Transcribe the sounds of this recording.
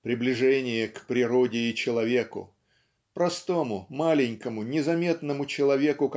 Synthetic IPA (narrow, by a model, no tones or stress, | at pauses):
pɾʲɪblʲɪʐɛnʲɪjəkpɾʲɪɾodʲɪɪt͡ɕɪlˠɐvʲe̞kʊ̰ | pɾɐst̪o̞mʊmalʲɪnʲkəmʊnʲɪzɐmʲe̞t̪nəmʊt͡ɕɪlˠɐvʲe̞kʊk